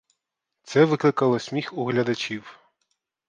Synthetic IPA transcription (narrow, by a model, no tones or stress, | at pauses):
t̪sɛʋɪklˠɪkɐlˠɔsʲmʲixuɦlʲɐd̪ɐt͡ʃʲiw